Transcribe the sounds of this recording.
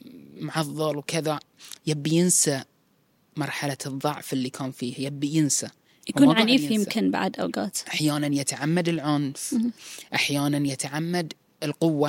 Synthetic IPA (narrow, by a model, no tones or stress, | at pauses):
mʊʕɑðˤːɑlwkɪðajabːijɪnsa | mɑɾˤħalaðˤːɑʕfɪlːikʰaːnfiːhajabːijɪnsa | jakuːnʕaniːfjɪmkɪnba̰ʕd̪ʔa̰wɡa̰ːt̪ʔaħjaːnanjɪt̪ʕamːad̪ɪlʕʊnfʔaħjaːnanjɪt̪ʕamːad̪ | ɪlqʊwːa